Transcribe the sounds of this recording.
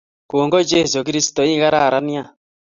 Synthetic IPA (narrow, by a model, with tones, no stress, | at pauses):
koː˨ŋɡɔ˦d͡ʒe˦s̬o˨k̬i˦ɾi˦si̥tɔ˨i˦ɣa˦ɾa˦˨ɾa˦ni˦a˦